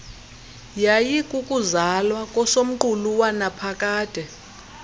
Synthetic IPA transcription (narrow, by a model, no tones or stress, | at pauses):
jajikʼukʼuzalwakʼɔsom̩ǃuluwanapʰakʼaːtʼɛ